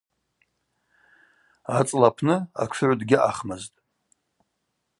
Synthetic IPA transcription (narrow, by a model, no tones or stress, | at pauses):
at͡sʼlapʰnɨa̰kʷʰʕʷdɡʲɪʔaχmaztʼ